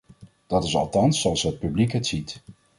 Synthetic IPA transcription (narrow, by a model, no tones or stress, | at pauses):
d̥ɑtɪsɑ̰lˠtɑnsːoɑlˠsɦət̚pyblikɦətsit